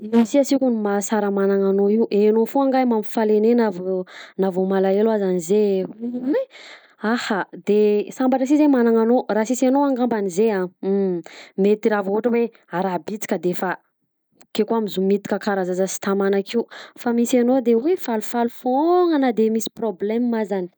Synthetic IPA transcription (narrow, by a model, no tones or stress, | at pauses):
iisiasikunimasaɾəmanaŋanoiwʔenofoaŋɡajmamifalenenavnavomalaelazanizewe | ahad̪esambaʈ͡ʂəs̬izemanaŋanorasisanoaŋɡambanizea | met̪iɾavoɦuʈ͡ʂəwe | aɾabit͡si̥kʲəd̪efa | kekuamizumit̪i̥kʲəkaɾazazasi̥t̪amanakiufamisanod̪ewefalufalufoŋənad̪emisi̥problɛmmazani̥